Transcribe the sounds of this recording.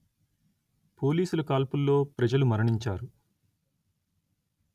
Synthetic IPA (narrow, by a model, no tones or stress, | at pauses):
po̞ːliːsulɐkaːlpulːo̞ːpɾɐd͡ʒɐlumɐɾɐɳiɲt͡ʃaːɾu